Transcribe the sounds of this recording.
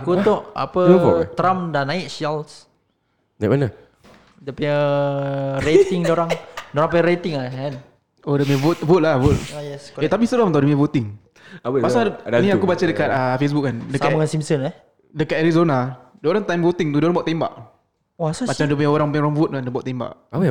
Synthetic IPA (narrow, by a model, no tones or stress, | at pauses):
akut̪ɔʔa̰pəɔ̰ʔt̪ɾamdanaɪʔ̚ʃals | naʔ̚manə | dəpə | ɾet̪ɪŋdoɾaŋdoɾaŋpəaɾet̪ɪŋaan | odəmevot̪̚vʊt̪̚lavut̪̚jɛset̪ap̬isəlamət̪awdəmɛvot̪ɪŋ | masanĩakubat͡ʃadəkat̪̚əfes̬buk̚kandəsaaŋansimsəna | dəkat̪̚ɛɾizonadəoɾaŋt̪ajmvot̪ɪŋt̪udoɾaŋbawʔt̪emba̰ʔ | oasmat͡ʃamdəpəɲaoɾaŋpəɲoɾaŋvʊt̪̚andəbaʔt̪emba̰ʔaə